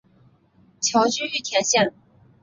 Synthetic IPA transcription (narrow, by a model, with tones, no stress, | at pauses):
t͡ɕʰjɑ˧˥ʊt͡ɕy˥y˥˩t̪ʰjɛ˧˥nɕjɛ˥˩n